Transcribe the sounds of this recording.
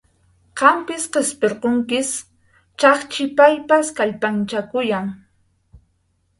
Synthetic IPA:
qɑmpɪsqespeɾqoŋkɪs | t͡ʃɑχt͡ʃɪpajpaskaʎpant͡ʃakʊjaŋ

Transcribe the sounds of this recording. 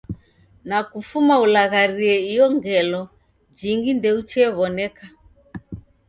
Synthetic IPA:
nakufumaulaɣaɾiɛijɔŋɡɛlɔ | d͡ʒiŋɡindɛut͡ʃɛːβɔnɛka

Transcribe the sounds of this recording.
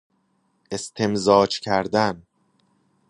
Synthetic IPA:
ʔe̞st̪ʰe̞mzɒːt͡ʃcʰæɾd̪æn

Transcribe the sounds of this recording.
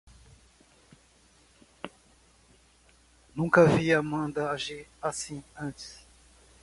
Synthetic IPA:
nũkɐviamɐ̃d̪ɐaʒiɾasĩɐ̃t͡ʃɪ̥s

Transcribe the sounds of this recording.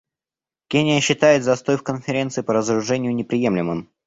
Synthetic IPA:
kʲenʲɪjəɕːɪt̪ajɪt̪zɐst̪o̞jfkənfʲɪɾʲe̞nt̪sɨɪpəɾəzəɾʊʐɛnʲɪjʊnʲɪpɾʲɪje̞mlʲɪmɨm

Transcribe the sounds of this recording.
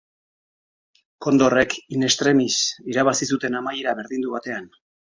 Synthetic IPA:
ko̞nd̪ore̞kine̞st̪ɾe̞misiɾaβ̞asisut̪e̞namajeɾaβe̞ɾðind̪uβat̪e̞an

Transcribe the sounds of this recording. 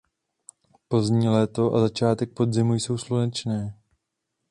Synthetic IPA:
po̞zɲiːlɛːt̪o̞ʔa̰zat͡ʃaːt̪ɛk̚po̞d̪zɪmujso̞wslunɛt͡ʃnɛː

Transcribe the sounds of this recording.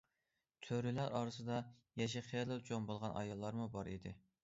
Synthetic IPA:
t̪ʰøɾylæɾɑːɾɨsɨd̪ɑjɛʃ̬iχelˠɨlt͡ʃʰombolˠʁɑnʔɑ̰jɑlˠːɑɾmubɑɾid̪ɪ

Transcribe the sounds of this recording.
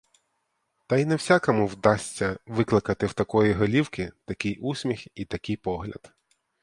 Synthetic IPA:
t̪ɐjnɛwsʲakɔmʊwd̪ɑsʲt͡sʲːɐʋɪklˠɪkɐt̪ɪwt̪ɐkɔjiɦɐlʲiwkɪt̪ɐkʲɪjʔusʲmʲixit̪ɐkɪjpɔɦlʲɐ̰d̪̥

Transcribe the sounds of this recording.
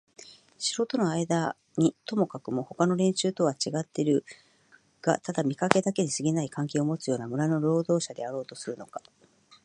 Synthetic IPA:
ɕiɾo̞t̪o̞no̞aid̪a | ɲ̟it̪o̞mo̞kakɯ̟mo̞ho̞kano̞ɾẽ̞ɲ̃ɕɨːt̪o̞βat͡ɕiɡat̪ːe̞ɾɯ̟ | ɡ̥a̰t̪ad̪amʲikake̞d̪ake̞ɲ̟isɨɡʲinaikãŋk̬ʲe̞ːomo̞t͡sɨjo̞ːnamɯ̟ɾano̞ɾo̞ːd̪o̞ːɕad̪eaɾo̞ːt̪o̞sɨɾɯ̟no̞kḁ

